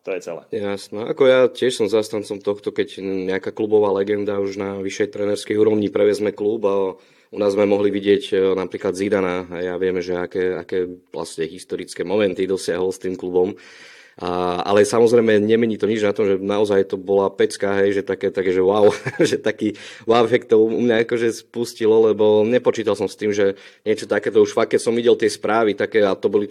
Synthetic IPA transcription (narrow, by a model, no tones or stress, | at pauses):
t̪ɔjɛt͡sɛlɛ̰ːjasnɛa̰kɔjacɪɛʃsɔmzast̪ant͡sɔmt̪ɔxt̪ɔkɛɟɲɛakaklubɔʋaːlɛɡɛnd̪auʒnaʋiʃːɛjt̪ɾɛnɛɾskɛjuːɾɔʋɲipɾɛʋjɛzmɛkluba | unaːzmɛmɔɦliʋiɟɪɛcnapɾiːklad̪zid̪anaɦɛjaʋɪɛmɛʒɛakɛːakɛːla̰scɛɦist̪ɔɾit͡skɛːmɔmɛnt̪id̪ɔsɪaɦɔlst̪iːmklubɔm | a̰lɛsamɔzɾɛjmɛɲɛmɛɲiːt̪ɔɲid͡ʒnat̪ɔmʒɛnaɔzajt̪ɔbɔlapɛt͡skaɦɛjʒɛt̪akɛːt̪akɛʒɛwaʊʒɛt̪akiːwawɦɛkt̪ɔṵmɲaakɔʒɛspuscilɔlɛbɔɲɛpɔt͡ʃiːt̪alsɔmst̪iːmʒɛ | ɲɪɛt͡ʃɔt̪akɛːt̪ɔuʃfakːɛcsɔmʋiɟɛlt̪ɪɛspɾaːʋit̪akɛːat̪ɔbɔli